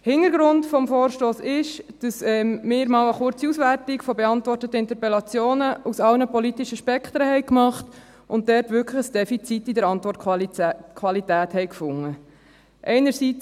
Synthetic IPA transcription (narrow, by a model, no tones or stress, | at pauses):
hɪnəɾɡɾʊntfɔmfɔːɾʃtoːsɪʃd̥ɑsɛmɪːɾmɑːwəχʊɾt͡siusvʋærtɪkfɔbɛɑntvʋɔrtətəɪntəpɛlɑt͡sjoːnəʔusɑlnəpɔlitiʃəʃpɛkʰt̪ɾəhɛɪkmɑχt | ʊnt̚dɛrtʋʏɾkʰləχəsd̥ɛfit͡sitːidəɾɑntʋɔrt | kʰʋɑlitæːthɛɪkfʊŋːə | ʔɛɪnəɾsit͡s